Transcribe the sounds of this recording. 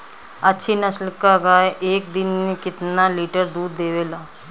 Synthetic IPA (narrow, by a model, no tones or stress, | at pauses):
ɐtːʃʰinɐslkaɡaːeʔeːk̚d̪ɪnmẽkɪt̪naliːʈəɾd̪uːd̪ːeːʋeːlaː